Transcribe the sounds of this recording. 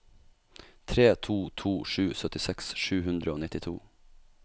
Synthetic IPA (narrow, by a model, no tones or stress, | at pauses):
t̪ʰɾeːt̪ʰuːt̪ʰuːʂʉːsœt̪ɪsɛksʃʉːɦʉnd̪ɾəoːnɪt̪ɪt̪ʰṵː